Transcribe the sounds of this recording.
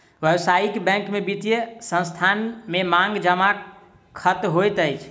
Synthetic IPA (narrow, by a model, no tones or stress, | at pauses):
ʋjəwsaikbɛ̃ŋkmebit̪ijesə̃nst̪ʰanmemãŋɡd͡ʒəma | kʰət̪ɦojt̪əjt͡ʃʰ